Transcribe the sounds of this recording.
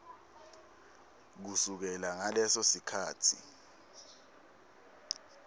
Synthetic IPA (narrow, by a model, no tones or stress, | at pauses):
k̬usuk̬ɛlaŋalɛsosikʰaːtʰḭ